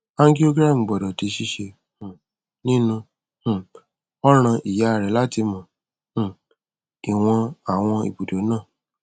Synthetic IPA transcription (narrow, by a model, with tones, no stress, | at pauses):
a˦ŋɡi˦o˦ɡɾa˦˨m̩˨ɡ͡bɔ˨dɔ˨ti˧ʃi˧˦ʃe˧ | h̩˨ | nĩ˦nũ˧˨ | ɔ˦ɾ̃ã˧ʔi˨ja˨˦˨ɾɛ˨˦la˦ti˧mɔ̃˨ | i˨w̃ɔ̃˧a˨w̃ɔ̃˧ḭ˨bu˨do˨˦nãː˦˨